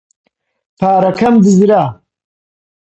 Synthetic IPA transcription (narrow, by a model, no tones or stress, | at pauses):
pʰaːɾɐkʰɐmd̪ɨzɾaː